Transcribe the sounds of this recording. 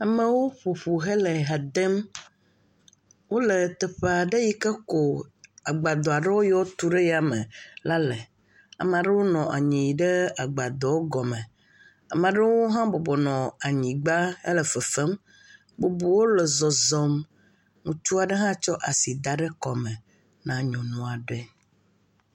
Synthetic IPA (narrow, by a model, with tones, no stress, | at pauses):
a˨mə˦wo˦ɸu˨ɸu˨ɦe˦le˨ɦa˨d̪e˦m | wo˦le˨t̪ɛ˨ɸe˨a˨ɖe˦ji˦kɛ˦ko˨a˨ɡ͡ba˨d̪ɔ˨a˨ɖe˦wo˦jɔ˦wo˦t̪u˦ɖe˦ja˨mɛ˨la˦le˨ | a̰˨m˨a˨ɖə˦wo˦nɔ̃˨ʔa̰˨ɲĩ˨ji˨ɖe˦a˨ɡ͡ba˨d̪ɔ˨wo˦ɡɔ˨mɛ˨ | a˨mã˨ɖə˦wo˦ɦã˦bo˨bɔ˨nɔ̃˨a˨ɲĩ˨ɡ͡ba˦ə̰˦lə˨fə˨fɛ˦m | bo˨bu˨wo˦lɛ˨zɔ˨zɔ˨m | ŋũ˨t͡ʃu˦a˨ɖə˦ɦã˦t͡ʃɔ˦ʔa˨si˨d̪a˨ɖɛ˦kɔ˨mɛ˨ | nã˨ɲɔ̃˨nɔ̃˨a˨ɖɛ˦